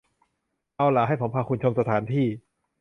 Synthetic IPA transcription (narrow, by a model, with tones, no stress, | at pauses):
ʔa˧wlaː˨˩˦ɦa˥˩jpʰo˩˦mpʰaː˧kʰu˧nt͡ɕʰo˧msa˧t̪ʰaː˩˦nt̪ʰiː˥˩